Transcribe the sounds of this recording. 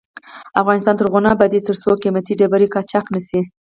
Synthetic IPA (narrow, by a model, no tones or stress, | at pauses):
afɣɑnɪst̪ɑnt̪əɾɣʊnɑbad̪et̪əɾsokimat̪iɖabaɾikɑt͡ʃɑknasi